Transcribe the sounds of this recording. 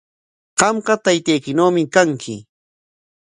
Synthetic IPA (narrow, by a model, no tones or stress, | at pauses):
ɢ̥ɑmɢɑt̪ajt̪ajkɪnoːmɪkaŋkʰɪ